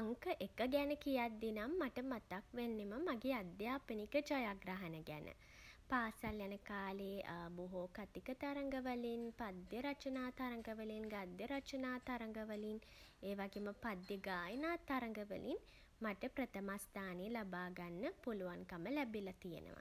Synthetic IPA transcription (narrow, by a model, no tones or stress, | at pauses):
aŋkəʔekəɡɛnəkijat̪̚d̪inamːaʈəmat̪akʋenːeməmaɡeːad̪jaːpənikəd͡ʒɔjaɡɾaɦɐnəɡænʔə̰ | paːsaljanəkaːleːboɦokat̪ikət̪aɾəŋɡəʋəlinpad̪jəɾat͡ʃənaːt̪aɾəŋɡəʋəlinɡad̪jəɾat͡ʃənaːt̪aɾəŋɡəʋəlin | eːʋaɡeːməpad̪jəɡaːjənaːt̪aɾəŋɡəʋə̰lʔin | maʈəpɾət̪əmast̪aːneːlabaːɡanːəpuluʋaŋkaməlɛbilat̪ijḛnə̰ʋa̰